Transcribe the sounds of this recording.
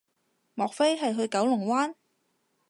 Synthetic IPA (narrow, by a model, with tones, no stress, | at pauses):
mɔː˨k̚fe˥jɦɐ˨jɦɵ˧ɥkɐ˨˥wlʊ˨˩ŋwaː˥n